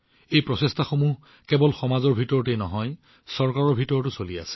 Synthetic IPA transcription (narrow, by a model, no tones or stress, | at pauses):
ejpɹɔsestʰaxomuɦ | kɛbɔlxɔmazɔɹbʱitɔɹɔtenɔ̰ɦɔj | sɔɹkaɹɔɹbʱitɔɹɔtʊsolia̰sɛ̥